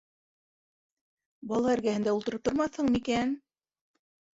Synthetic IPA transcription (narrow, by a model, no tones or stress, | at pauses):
bɑlˠɑæɾɡæhɘ̆nd̪æulˠt̪ɤ̆ɾɤp̚t̪oɾmɑθhɤɴmikæn